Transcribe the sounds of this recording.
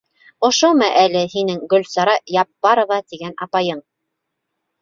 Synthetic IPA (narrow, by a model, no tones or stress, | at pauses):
ŏʃomɑʔælɘhinɘŋɡɵ̆lsɑɾɑjɑpːɑɾovɑt̪iɡænɑpɑjɤɴ